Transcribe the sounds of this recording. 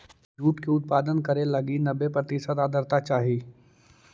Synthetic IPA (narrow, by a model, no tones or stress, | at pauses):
d͡ʒuːʈkeʊt̪̚paːd̪ənkɐɾelɐɡinɐbepɾət̪ɪsət̪aːd̪ʱəɾt̪at͡ʃaːɦiː